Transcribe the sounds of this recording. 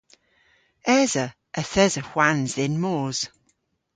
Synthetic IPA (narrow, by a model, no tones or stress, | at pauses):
ɛzə | ʔəθɛzəxwanzðɪnmoːz̥